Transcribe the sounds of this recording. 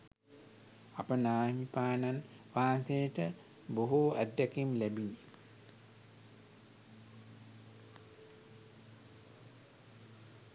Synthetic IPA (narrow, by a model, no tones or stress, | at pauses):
apənaːmipaːnan | ʋaːnsejəʈə | boɦuæd̪ːækimlæbinːi